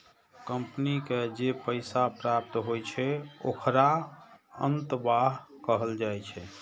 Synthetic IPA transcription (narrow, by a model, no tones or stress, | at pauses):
kəmpniked͡ʒepəɪsapɾap̚t̪ɦojt͡ʃʰɛo̰kʰɾa | ə̰nt̪baɦ | kəɦəld͡ʒajt͡ʃʰɛ